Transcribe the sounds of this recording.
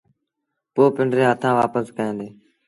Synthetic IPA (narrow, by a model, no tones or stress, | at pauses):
poːpɪɳɖɾẽːɦət̪ʰãːʋaːpəskəẽːnd̪eː